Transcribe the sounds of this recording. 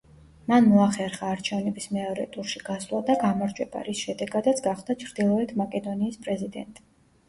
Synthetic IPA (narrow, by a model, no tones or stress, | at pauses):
manmɔaχɛɾχaːɾt͡ʃʰɛvnɛbismɛɔɾɛ̰t̪ʼuɾʃiɡaslˠad̪aɡamɔɾd͡ʒwɛba̰ɾisʃɛd̪ɛɡad̪at̪sʰɡaχd̪at͡ʃʰɾd̪ilˠɔɛt̪ʰmakʼɛd̪ɔniːspʼɾɛzid̪ɛ̰nt̪ʼi